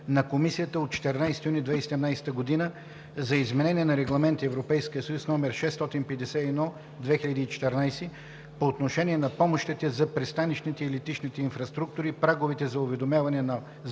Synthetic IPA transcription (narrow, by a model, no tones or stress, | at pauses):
nɐkomisijət̪əot̪̚t͡ʃɛ̥t̪ɛɾnajsɛ̥t̪ijunid̪vɛisɛd̪ɛmnajsɛ̥t̪əɡod̪inə | zɐizmɛnɛnʲiɛnɐɾɛɡlˠɐmɛnt̪iɛvɾopɛjskijəsɐjusnɔmɛɾʃɛst̪ɔt̪inpɛd̪ɛsɛɛd̪ɔ | d̪vɛxiʎʲəd̪iːt͡ʃɛ̥t̪ɛɾnajsi | poːt̪noʃɛniɛnɐpɔmoʃt̪it̪ɛzɐpɾɛst̪anit͡ʃnit̪ɛilit̪it͡ʃnit̪ɛinfɾɐst̪ɾuk̚t̪ʊɾipɾaɡovɛt̪ɛzɐʊvɛd̪omʲjavɐnɛnɐ